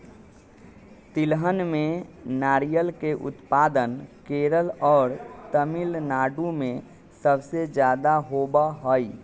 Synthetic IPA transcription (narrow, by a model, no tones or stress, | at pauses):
t̪ɪlɦənmẽnaːɾijəlkeʔʊ̰t̪paːd̪ənkeɾəlɔːɾt̪əmilnaːɖũmẽ | səbsed͡ʒjaːd̪aɦobaɦoi